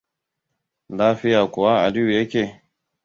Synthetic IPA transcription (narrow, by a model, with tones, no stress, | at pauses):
laː˦ɸɪ˦jaː˨kʷʊ˨wa˦ʔa̰˨lɪ˦ju˨jɐ˦kʲeː˨